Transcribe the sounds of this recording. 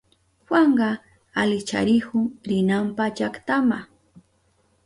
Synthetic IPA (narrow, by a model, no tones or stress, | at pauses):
waɴɢɑ | alɪt͡ʃa̰ɾɪkʊŋɾɪnampat͡ʃakt̪ama